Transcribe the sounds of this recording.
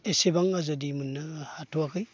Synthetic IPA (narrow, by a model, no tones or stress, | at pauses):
esebaŋazɯdimunːɯhatʰuakʰɯj